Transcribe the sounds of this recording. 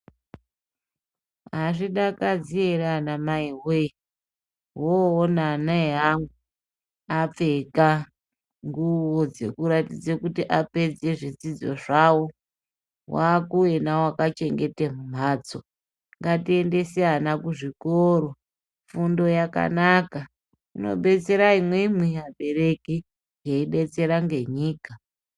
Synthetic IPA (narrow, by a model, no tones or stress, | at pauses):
ɦaʐiɗakad͡zieɾanamaiwe | ɦoːnanaeɦaŋu | ap͡fe̞ka | ŋɡuwod͡zḛkuɾatid͡zekutiʔape̞d͡ze̞ʐid͡zid͡zo̞̰ʐawo | waːkuenawakat͡ʃe̞ŋɡe̞temum̤aːt͡so̰ | ŋɡatie̞nde̞sijanakuʐikoɾo̞ | fundo̞jaka̰naka | ino̞̰ɓe̞t͡se̞ɾaimwemwijaɓe̞ɾe̞ki | jeiɗe̞t͡se̞ɾaŋɡe̞ɲiːka